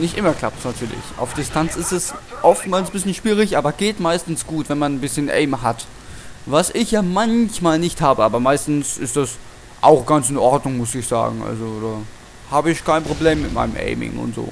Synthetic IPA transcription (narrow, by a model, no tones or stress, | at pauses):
nɪçtʔɪmɐkl̥a̰p̚tsnatʰyːɐlɪ̰çʔa̰ʊfd̥ɪstʰant͡sɪstɛsʔɔftmaːlsbɪsçənʃv̥iːʁ̞ɪçʔaːbɐɡ̥eːtmaɪstn̩sɡ̥uːtv̥ɛnmannbɪsçənʔɛ̰ɪmɦat | vasʔɪçjaːmançmaːlnɪçthaːbəʔaːbɐmaɪstn̩sɪ̰std̥as | ʔa̰ʊxɡ̥ant͡sɪnʔɔɐdnʊŋmʊsɪçz̥a̰ːɡŋ̩ʔa̰lzod̥aː | haːbəɪçkʰaɪnpʁ̥obleːmːɪtma̰ɪnəmʔɛ̰ɪmɪ̰ŋʊ̰ntz̥o̰ː